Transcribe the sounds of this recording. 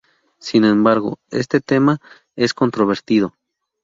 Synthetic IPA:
sinẽmbaɾɣo̰ḛst̪e̞t̪ema | e̞sko̞nt̪ɾoβ̞eɾt̪ið̞o

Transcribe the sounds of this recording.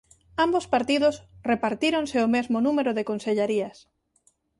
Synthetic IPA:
ambospaɾt̪iðʊsrepaɾt̪iɾonseomezmonũmeɾʊðekonseʎeɾiɐs

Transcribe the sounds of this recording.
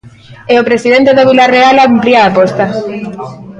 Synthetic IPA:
eopɾesiðent̪eðoβilarealampliaːpost̪a

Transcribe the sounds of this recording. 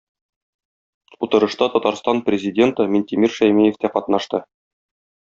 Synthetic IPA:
ut̪ɤ̆ɾɤ̆ʃt̪ɑt̪ɒt̪ɑɾst̪ɑnprʲɪzʲɪdʲe̞nt̪ɤminʲt̪ʲɪmʲirʃæjmijĕft̪æqɒt̪nɑʃt̪ɤ

